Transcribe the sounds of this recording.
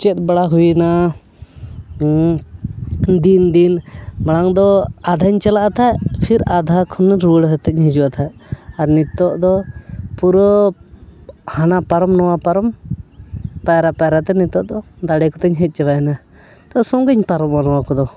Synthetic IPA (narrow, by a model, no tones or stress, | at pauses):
t͡ʃɛt̪̚baɽaɦujna | d̪ind̪inbaɽaŋd̪ɔad̪ʱaɲt͡ʃalaʔat̪ʰajpʰiɾad̪ʱakʰɔnːɾuɽɦət̪əɲɦɛd͡ʒuwat̪ʰaaɾnit̪ɔʔd̪ɔpuɾɔ | hanapaɾɔmnɔwapaɾɔm | paɾapaɾat̪ɛnit̪ɔʔd̪ɔd̪aɽɛkɔt̪ɛɲɦɛt̪̚ˀt͡ʃɛbajna | t̪ɔsɔŋɡəɲpaɾɔmanɔwakɔd̪ɔ